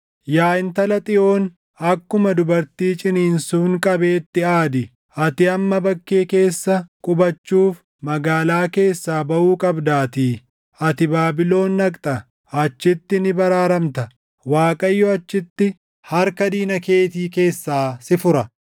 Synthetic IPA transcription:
jaːʔɪnt̪ɐlɐt̪ʼɪʔo̞ːn | ɐkːʊmɐd̪ʊbɐɾt̪iːt͡ʃʼɪniːnsuːŋkʼɐbe̞ːt̪ːɪaːd̪ɪ | ʔɐt̪ɪɐmːɐbɐkːeːke̞ːsːɐkʼʊbɐt͡ʃːuːf | mɐɡaːlaːke̞ːsːaːbɐʔuːkʼɐbd̪aːt̪iː | ɐt̪ɪbaːbɪlo̞ːnːɐkʼt̪ʼɐ | ɐt͡ʃːɪt̪ːɪnɪbɐɾaːɾɐmt̪ɐ | waːkʼɐjːɔɐt͡ʃːɪt̪ːɪ | hɐɾkɐd̪iːnɐke̞ːt̪iːke̞ːsːaːsɪfʊɾɐ

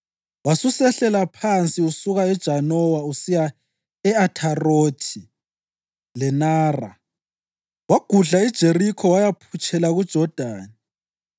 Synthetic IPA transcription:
wasusɛɬɛlapʰant͡sʼiusuɣaɛd̥ʒ̥ʱanɔwausija | ɛatʰaroːtʰi | lɛnaːra̰ | waɡ̥ʱuɮaid̥ʒ̥ʱerikʰɔwajapʰut͡ʃʼɛlaɣud̥ʒ̥ʱɔd̥ʱaːni

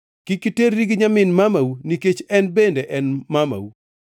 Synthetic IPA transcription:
kikiteɾːiɡɪɲamɪnmamawuniket͡ʃɛnbendeʔɛnmama̰w

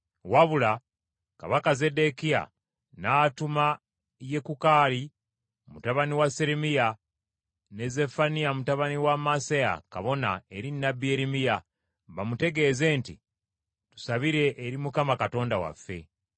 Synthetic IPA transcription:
waβula | ka̰βakaze̞de̞kia̰ | naːtuma | je̞kukaːli | mutaβaniwaseɾemija | ne̞ze̞fanijamutaβaniwamaseja̰ka̰βo̞na̰e̞ɾinːabieɾimija | βamute̞ɡe̞ːze̞ːntḭ | tu̥saβiɾe̞ʔːɾimukamakato̞ːndawa̰fːe̞̰

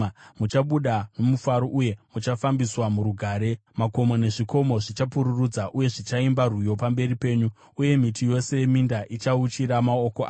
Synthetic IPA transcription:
mut͡ʃaɓuɗano̞mufaɾoʔuje̞mut͡ʃafambiswamuɾuɡʱaːɾe̞mako̞mo̞ne̞ʐiko̞mo̞ʐit͡ʃapuɾurud͡zaʔuje̞ʐit͡ʃaimbarujo̞pambe̞ɾipe̞ːɲu | uje̞mitijo̞se̞jemindaʔit͡ʃaut͡ʃiɾamao̞koʔa̰ː

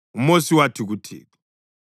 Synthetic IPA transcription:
umosiwatʰiɣutʰḭːtʰḁ

